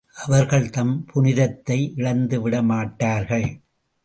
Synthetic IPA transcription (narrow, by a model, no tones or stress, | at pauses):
ʔɐʋɐɾɣɐɭt̪ɐmpʰʊnɪðɐt̪ːɐɪʔɪɭɐnd̪ɯʋɪɽɐmaːʈːaːɾɣɐɭ